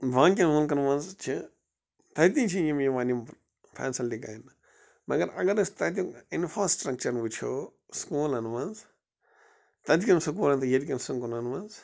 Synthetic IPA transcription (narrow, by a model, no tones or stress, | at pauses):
ʋãːŋk̬ʲinʋunkɐnʋɐnzt͡ʃʰi | t̪ɐt̪ĩnt͡ʃʰijimiʋaːnim | pʰa̰ːnsɐldika̰ːjin | mɐ̰ɡɐɾɐ̰ɡɐɾɐst̪ɐt̪̬ikinfʰɾaːsʈɾɐk̚t͡ʃɐɾnʋut͡ʃʰoː | skuːlɐnʋanz | t̪ɐd̪kʲɐmsukuːlɐnt̪ɨjeɾkʲɐnsuŋkunɐnʋɐnz